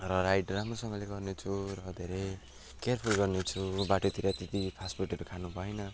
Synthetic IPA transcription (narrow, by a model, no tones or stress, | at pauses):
rʌɾajɽramrosʌŋɡʌleɡʌrnet͡sʰuɾʌd̪ʱeɾej | kerpʰorɡʌrnet͡sʰubaʈot̪iɾat̪et̪ipʰasburʈʌɾokʰanubʱʌenʌ